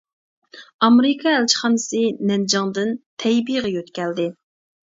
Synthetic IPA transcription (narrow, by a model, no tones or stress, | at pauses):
ɑmɾɪkʰɑælt͡ʃʰə̥χɑnɨsɨnɛnd͡ʒɑŋd̪ɨnt̪ʰɛjbijʁɨjøt̪kʲɛld̪ɪ